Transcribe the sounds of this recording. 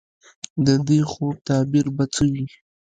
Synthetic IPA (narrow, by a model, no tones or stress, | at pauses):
d̪əd̪exot̪ɑbiɾbat͡səwi